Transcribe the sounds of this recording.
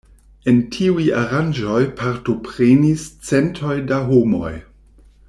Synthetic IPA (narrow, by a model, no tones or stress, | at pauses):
e̞ntʰiujaɾand͡ʒo̞jpʰaɾto̞pɾenist͡sentʰo̞jdaɦomo̞̰j